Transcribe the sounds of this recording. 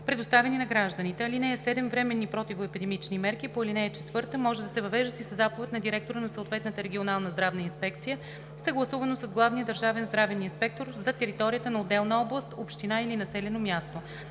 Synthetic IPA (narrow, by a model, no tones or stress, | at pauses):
pɾɛd̪ost̪avɛninɐɡɾaʒd̪ənit̪ɛɐlinɛɛsɛd̪ɛmvɾɛmɛnːipɾɔt̪ivoɛpid̪ɛmit͡ʃnimɛɾkipoilinɛːt͡ʃɛt̪vɤɾt̪əmɔʒɛd̪ɐsɛvɐvɛʒd̪ət̪isɐzapovɛt̪ʲnɐd̪iɾɛk̚t̪oɾənɐsoot̪vɛt̪nət̪əɾɛɡʲionalˠnəzd̪ɾavnəinspɛk̚t̪sijə | sɐɡlˠɐsuvənosəzɡlˠavnijəd̪ɐɾʒavɛnzd̪ɾavɛninspɛk̚t̪oɾzɐt̪ɛɾit̪ɔɾijət̪ənɐod̪ːɛlˠnəɔblˠəst̪opʃt̪inailinɐsɛlɛnomʲjast̪o